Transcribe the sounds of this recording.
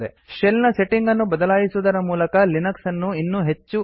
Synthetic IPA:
d̪ḛ | ʃelnɐse̞ʈiŋɡɐnːubɐd̪ɐlaːjisud̪ɐɾɐmuːlɐkɐlinɐksɐnːuinːuɦe̞t͡ʃːu

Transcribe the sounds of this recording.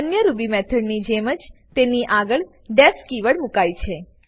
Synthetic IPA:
ənjəɾubimɛt̪ʰəɽnid͡ʒeməd͡ʒt̪eniʔaɡəɭ | ɖɛfkiʋəɭmukajt͡ʃʰe

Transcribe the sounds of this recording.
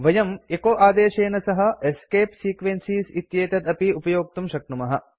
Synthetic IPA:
ʋɐjɐmekoːʔaːd̪eːʃeːnɐsɐɦɐ̆eskeːpsiːkʋensiːsit̪jeːt̪ɐt̪ɐpiupɐjoːk̚t̪umʃɐk̚numɐɦɐ̰

